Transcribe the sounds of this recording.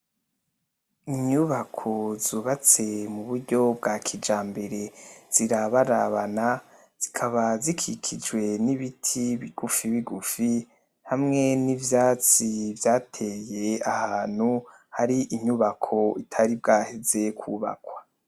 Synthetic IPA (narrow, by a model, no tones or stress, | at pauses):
iɲuβakʰo̞zuβat͡semuβuɾɟo̞b̚ɡaːkʰid͡ʒaːmbe̞ɾe̞z̥iɾaβaɾaβana | z̥ikʰaβazikʰikʰid͡ʒɡwe̞niβitʰiβiɡ̥ufiβiɡufi | hamŋe̞nivjaːt͡sivjaːtʰe̞ːje̞ahaːn̥hu | haɾiʔiɲuβakʰo̞itʰaɾib̚ɡaːheze̞kʰuːβa̰kwḁ